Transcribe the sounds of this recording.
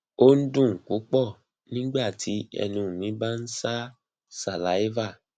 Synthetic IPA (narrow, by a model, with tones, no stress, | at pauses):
o˦n̩˦dũ˦˨ŋ̩˨ku˨˦k͡pɔ˦˨ | nĩ˦ɡ͡ba˦˨tʰi˨˦ɛ̰˧nũ˧˨mĩ˨˦ba˦n̩˦sa˦ | sa˨la˨˦i˦va˦˨